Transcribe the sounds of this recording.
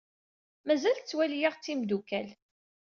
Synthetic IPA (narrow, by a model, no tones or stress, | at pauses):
mæzælt͡sːwæljiʁt͡sːimd̪ukæl